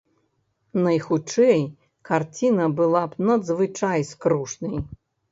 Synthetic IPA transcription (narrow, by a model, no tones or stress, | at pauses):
nɐjxut͡ʂɛj | kart͡sʲinɐbɨlˠapnɐd̪zvɨt͡ʂajskɾuʂnɨj